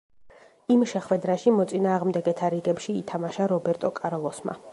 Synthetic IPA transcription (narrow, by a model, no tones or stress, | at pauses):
imʃɛχwɛd̪ɾaʃimɔt̪sʼinaːʁmd̪ɛɡɛt̪ʰaɾiɡɛpʃiːt̪ʰamaʃaɾɔbɛɾt̪ʼɔkʼaɾɔlˠɔsma̰